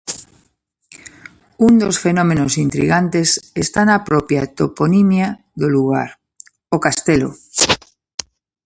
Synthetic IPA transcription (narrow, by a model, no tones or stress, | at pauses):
und̪osfenomenosint̪ɾḭɣant̪esest̪anapɾɔpjat̪oponimja | ðoluɣ̞a̰ɾ | okast̪elo̰